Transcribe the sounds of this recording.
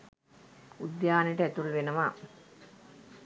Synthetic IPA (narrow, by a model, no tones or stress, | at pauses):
ud̪jaːnejʈəæt̪ulʋenəʋaː